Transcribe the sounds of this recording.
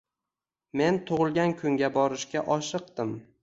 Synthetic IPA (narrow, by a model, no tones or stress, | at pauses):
me̞nt̪ʰʊʁɨlˠɡʲankʰʊŋɡʲabɒɾɪʃkʲaʔɒʃɨq̚d̪ɪm